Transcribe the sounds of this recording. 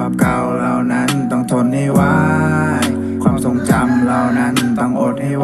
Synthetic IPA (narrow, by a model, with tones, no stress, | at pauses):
aː˧˩p̚ka˧wɾa˧wna˦˥nt̪ɔ˥˩ŋt̪ʰo˧nhaː˥˩waː˦˥j | kʰwaː˧mso˨˧˩ŋt͡ɕa˧mɾa˧wna˦˥nt̪ɔ˥˩ŋʔoː˨˩t̪̚ha˥˩